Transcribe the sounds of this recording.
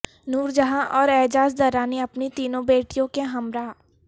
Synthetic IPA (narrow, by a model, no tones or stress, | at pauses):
nuːɾd͡ʒɐɦãʔɔːɾɛːd͡ʒaːzd̪ɐɾaːniɐpnit̪iːnõbeːʈijõkeɦɐmɾaː